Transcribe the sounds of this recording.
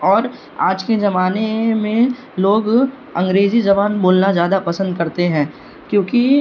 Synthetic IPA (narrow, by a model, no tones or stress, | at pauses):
ɔːɾ | aːd͡ʒked͡ʒɐmaːnemẽ | loːɡ | ɐ̃ŋɡɾeːzid͡ʒɐbaːnboːlnazjaːd̪apɐsə̃nd̪̚kɐɾt̪eɦɛ̃ː | kjõːki